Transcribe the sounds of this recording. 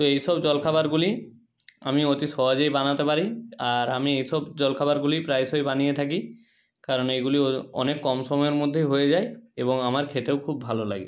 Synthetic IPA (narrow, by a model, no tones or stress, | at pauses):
t̪oejsɔbd͡ʑɔlkʰabaɾɡuli | a̰miot̪isɔad͡ʑejbanat̪epaɾiaɾamiejsɔbd͡ʑɔlkʰabaɾɡulipɾajsɔjbanijet̪ʰaki | kaɾɔnejɡuliɔ̰nekːɔmsɔmɔjoɾmod̪ʱːeɦojed͡ʑaeebɔŋamaɾkʰet̪eʊkʰubːʱalola̰ɡḭ